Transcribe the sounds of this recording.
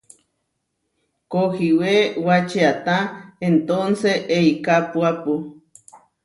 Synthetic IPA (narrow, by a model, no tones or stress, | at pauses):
kohiwewat͡ʃeat̪aent̪onseʔeikapuapu